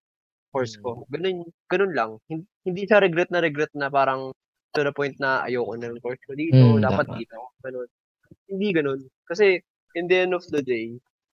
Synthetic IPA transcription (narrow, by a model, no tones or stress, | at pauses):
fkoɹskoɡɐno̞nɡ̥ɐno̞nlɐŋhɪnhɪnd̪iːʃɐɾɛɡɾɛt̪̚nɐɾɛɡɾɛt̪̚nɐpaːɾɐŋ | ɪt̪onɐpo̞jnt̪̚nɐʔɐ̰jowkonɐŋko̞ɹskod̪iːt̪od̪aːpɐt̪̚d̪iːt̪oɡɐno̞n | hɪnd̪iɡɐno̞nkɐsɛ | ʔɛnd̪ɛnofd̪ɐd̪ej